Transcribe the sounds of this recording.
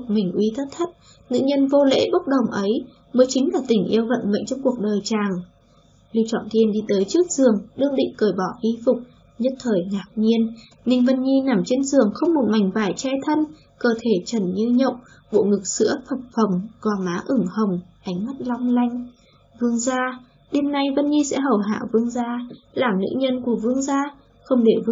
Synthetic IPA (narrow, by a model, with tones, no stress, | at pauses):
mï˨˩ŋ̟ʔwi˨˦t̪ʰə˦˥t̚t̪ʰə˦˥t̚ | ŋɨ̰˧˨ɲə˧nvo˧lḛ˧˥ɓə˦˥wk͡p̚ɗə˨˩wŋ͡mʔə˨˦j | məː˨˦jt͡ɕï˨˦ŋ̟laː˨˩t̪ï˧˩ŋ̟ʔi˧əwvə̰˧˨nmə̰˧˨jŋ̟t͡ɕɔ˧wŋ͡mku˨˩ək̚ɗəː˨˩jt͡ɕaː˨˩ŋ | li˧wt͡ɕɔ̰˧˨nt̪i˧ənɗi˧t̪əː˨˦jt͡ɕɨ˦˥ək̚z̥ɨ˨˩əŋɗɨ˧əŋɗḭ˧˨ŋ̟kəː˧˩jɓɔ˧˩ɣi˧fʊ˨˩k͡p̚ | ɲə˦˥t̚t̪ʰəː˨˩jŋaː˨˩k̚ɲi˧ən | nï˧˩ŋ̟və˧˩nɲi˧na˧˩mt͡ɕe˧nzɨ˨˩əŋxə˧wŋ͡mmo˨˩t̚ma˨˩jŋ̟vaː˧˩jt͡ɕɛ˧t̪ʰə˧n | kəː˧˩t̪ʰe˧˩t͡ɕə˧˩nɲɨ˧ɲə̰˧˨wŋ͡m | ɓo̰˧˨ŋɨ˨˩k̚sɨ̰˧˥əfʰə˨˩k͡p̚fə˨˩wŋ͡mɣɔ˨˩maː˨˦ʔɨ˧˩ŋhə˨˩wŋ͡mʔa˨˦jŋ̟ma˦˥t̚lɔ˧wŋ͡mla˧jŋ̟ | vɨ˧əŋzaː˧ | ɗe˧mna˧jvə˧nɲi˧sɛ̰˧˥ɦə˨˩wɦa̰ː˧˨wvɨ˧əŋzaː˧laː˨˩mnɨ̰˧˥ɲə˧nku˧˩əvɨ˧əŋzaː˧ | xə˧wŋ͡mɗe˧˩v